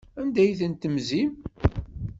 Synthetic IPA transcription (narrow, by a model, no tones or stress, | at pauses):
ænd̪æjθənt̪əmzim